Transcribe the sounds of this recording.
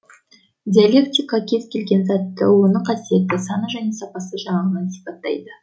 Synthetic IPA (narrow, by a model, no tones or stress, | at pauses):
d̪ʲialʲe̞kt̪ijkɑkʲʰe̞z̥kʲʰe̞lɡʲe̞nzɑt̪ːə̰wo̞nəqʰɑsije̞t̪ːɪsɑnəʒæne̞sɑpɑsəʒɑɴɑʁənɑnsi̥pɑt̪ːɑ̰jd̪ə